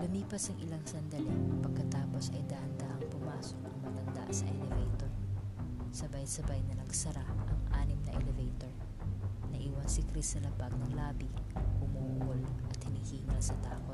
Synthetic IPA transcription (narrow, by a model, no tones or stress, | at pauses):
lɐmiːpɐsɐŋɪlaŋsɐnd̪ɐlɛpɐɡ̚kɐt̪aːposʔɐjd̪aːʔɐnd̪aːʔɐŋpʊmaːsokʔɐŋmɐɡɐnd̪a̰ʔsɐ̰ʔɛlɛvɛjt̪oɹ | sɐbajsɐbajnɐnɐɡsɐɾaʔɐŋʔa̰ːnɪmnɐʔɛlɛvɛjt̪oɹ | nɐʔiwansɪkɾisɐlɐbaɡ̚nɐŋlaːbihʊmuʔʊlʔɐt̪hɪnihiːmɾɐsɐt̪aːkot̪̚